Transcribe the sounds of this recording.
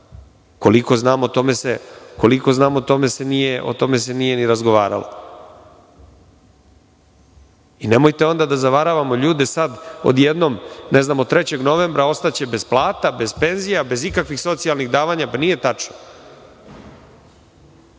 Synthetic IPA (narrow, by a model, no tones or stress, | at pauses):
ko̞liko̞znaːmot̪omeseko̞liko̞znaːmot̪o̞me̞se̞nijeʔo̰t̪o̞me̞s̬e̞nijeniɾazɡoʋa̰ːɾa̰lo̰ | ine̞mo̞jt̪eo̞nd̪ad̪azaʋaɾaʋamo̞ʎuːd̪e̞sad̪o̞̰d̪jed̪no̞mneznaːmod̪̚t̪ːɾet͡ɕe̞ɡno̞ʋe̞mbɾao̞st̪at͡ɕe̞be̞zplˠaːt̪abe̞zpe̞nzijabe̞zikakʋixso̞t̪sijalˠniɣd̪aːʋaɲapanije̞t̪at͡ʂno